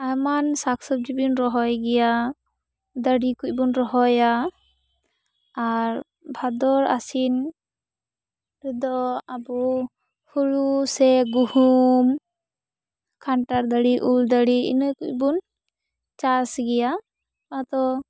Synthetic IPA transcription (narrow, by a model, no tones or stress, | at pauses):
ajmansaksɔb̚d͡ʒibinɾɔɦɔjɡɛja | d̪əɽikuc̚bunɾɔɦɔja | ɾ | bʱad̪ɔɾa̰sin | ɾɛd̪ɔabu | huɭusɛɡuhum | kʰaɳʈaɾd̪əɽiʔuld̪əɽiḭnəkuc̚bun | t͡ʃasɡɛja | at̪ɔ